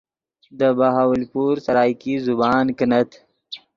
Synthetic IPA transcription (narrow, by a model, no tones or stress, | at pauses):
d̪əbaɦaːwəlpuːɾsɐɾɑːjkizubɑːnkənɐt̪